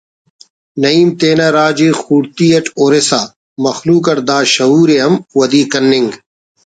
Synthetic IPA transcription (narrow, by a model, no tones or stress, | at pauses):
nɐiːmt̪eːnaɾaːd͡ʒiːxuːɽt̪iːɐʈoːɾesaː | mɐxluːkɐɾd̪aːʃɐɦuːɾeɐmwɐd̪iːkɐnːɪŋɡ